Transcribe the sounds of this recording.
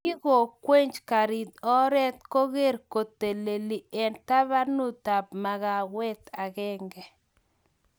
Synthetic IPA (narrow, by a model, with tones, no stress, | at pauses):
ki˦ɣo˨kwe˦ɲd͡ʒka˨ɾi˨d̪ɔ˦ɾɛ˦t̪ko˦ɣe˦ɾko˨t̪e˨le˨li˨ɛ˨nta˦βa˦nu˦t̪a˨b̚ma˨ɣa˨wɛ˦t̪a˨ɣɛ˦ŋɡɛ˨